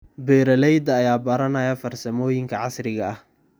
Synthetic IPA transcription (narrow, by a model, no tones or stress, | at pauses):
bɛːɾɐlɛjd̪ɐːjaːbɐɾɐnɐjɐfɐrsɐmɔːjɪŋkʰɐʕɑsrɪɣɐɐh